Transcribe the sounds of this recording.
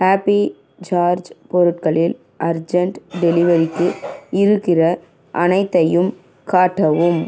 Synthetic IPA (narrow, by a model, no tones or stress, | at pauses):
haːpi | d͡ʒaːɾd͡ʒpɔɾɯʈ̚kɐɭɪl | ʔɐɾd͡ʒɐɳʈɖɛlɪʋɐɾɪkːɯɪɾɯkːɪrɐ | ʔɐnɐɪt̪ːɐjɯm | kaːʈːɐʋɯm